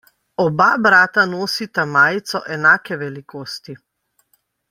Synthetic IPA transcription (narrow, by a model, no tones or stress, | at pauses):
ɔbabɾaːt̪anoːsit̪amaːjt̪sɔʔɛnaːkɛʋɛlikoːst̪i